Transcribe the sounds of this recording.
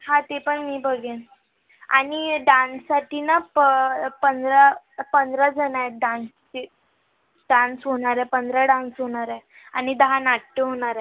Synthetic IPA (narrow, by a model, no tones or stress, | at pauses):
hãt̪epəɳmiːbəɡʱen | a̰ɽiɖãnsːaʈʰinapəpənd̪ɾa | pənd̪ɾəd͡zənaeɖãnst̪e | ɖãnsɦoɽ̃aɾɛpənd̪ʱɾaɖãnsɦoɽ̃aɾe | a̰ñid̪əɦanaʈːeɦoɽ̃aɾe